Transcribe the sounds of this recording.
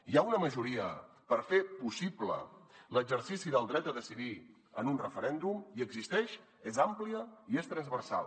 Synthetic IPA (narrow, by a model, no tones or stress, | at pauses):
iaunəməʒuɾiə̰ | pəɾfepusiblə̰ləɡzəɾsisiðəlˠd̪ɾɛt̪əðəsiði | ənunrəfəɾɛnd̪umiəɡzist̪ɛʃ | ezampliəiest̪ɾənzβəɾsa̰lˠ